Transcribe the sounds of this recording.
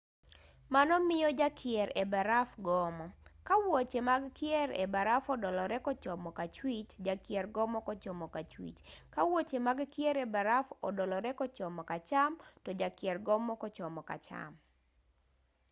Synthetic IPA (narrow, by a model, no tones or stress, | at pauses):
manɔmɪjɔd͡ʒakʰɪɛɾebaɾafɡɔmɔkawot͡ʃemaɡkɪɛɾḛbaɾafɔdɔlɔɾɛkɔt͡ʃɔmɔkat͡ʃwit͡ʃd͡ʒakɪɛrɡɔmɔkɔt͡ʃɔmɔkat͡ʃwḭt͡ʃkawot͡ʃemaɡkjɛɾebaɾafɔ̰dɔlɔɾɛkɔt͡ʃɔmɔkat͡ʃamtɔd͡ʒakɪɛrɡɔmɔkɔt͡ʃɔmɔka̰t͡ʃa̰m